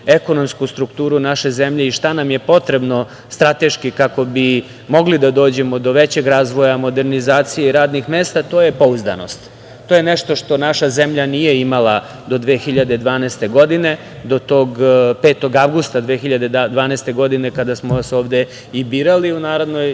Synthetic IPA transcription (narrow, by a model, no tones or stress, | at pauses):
eko̞no̞mskust̪ɾukt̪uːɾunaʃe̞zemʎe̞iʃt̪anamje̞po̞t̪ɾe̞bno̞ | st̪ɾat̪e̞ʃkikako̞bi | mo̞ɡlid̪ad̪o̞ːd͡ʑe̞mod̪o̞ʋe̞t͡ɕe̞ɡɾaːzʋo̞jamo̞d̪e̞ɾnizaːt̪sijeiɾaːd̪nixmeːst̪at̪o̞ːje̞po̞uzd̪a̰no̞̰st̪ | t̪oːjeneʃt̪o̞ʃt̪o̞naʃazemʎanije̞imala | d̪o̞d̪ʋeːxiʎad̪e̞d̪ʋaːnɛːst̪e̞ɡo̞d̪ine̞ | d̪o̞t̪o̞ːɡpeːt̪o̞ɡaʋɡust̪ad̪ʋe̞xiʎad̪e̞d̪ʋaːnɛst̪e̞ɡo̞d̪ine̞kad̪asmoʋaso̞ːʋd̪e̞ | ibiːɾaliunaːɾod̪no̞j